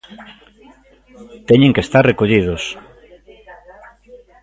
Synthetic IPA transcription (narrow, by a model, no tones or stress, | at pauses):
t̪ɛɲẽŋkest̪aɾrekoʎið̞os